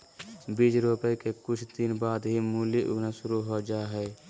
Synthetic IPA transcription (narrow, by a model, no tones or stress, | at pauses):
biːt͡ʃɾuːpekekʊt͡ʃʰt̪iːnbaːd̪ɦimuːliʔʊnaʃʊɾuɦod͡ʒaːɦɛː